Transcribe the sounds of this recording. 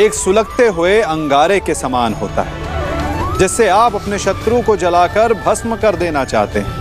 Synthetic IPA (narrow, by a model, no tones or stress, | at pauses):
eːksʊləɡt̪eɦʊeɐ̃ŋɡaːɾekesɐmaːnɦo̰ːt̪a̰ɦɛː | d͡ʒɪsːeaːpɐpneʃɐt̪ɾũkod͡ʒɐlaːkɐɾbʱɐsməkɐɾd̪eːnat͡ʃa̰ːɦt̪eɦɛ̃ː